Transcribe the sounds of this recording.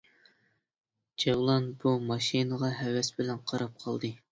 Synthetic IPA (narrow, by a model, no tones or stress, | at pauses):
d͡ʒɑwlˠɑnbumɑʃinəʁɑɦɛwɛsbɪlɛnqʰɑɾɑp̚qʰɑlˠd̪ɨ